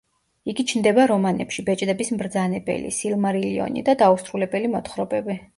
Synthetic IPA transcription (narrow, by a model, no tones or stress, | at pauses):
iɡit͡ʃʰnd̪ɛbaɾɔmanɛ̰pʃibɛt͡ʃʼd̪ɛbismɾd̪zanɛbɛ̰lḭsilˠmaɾiliɔ̰nḭd̪ad̪ausɾulɛbɛlimɔt̪χɾɔbɛbi